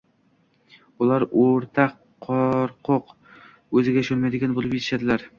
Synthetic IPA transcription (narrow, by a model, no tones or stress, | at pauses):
ʊlˠaɾoɾt̪ʰɑqʰː | ɒɾqʰʊq | ɵzɪɡʲaʃonmajd̪ɪɡʲanbolˠɪpjet̪ɪ̥ʃad̪ɪlaɾ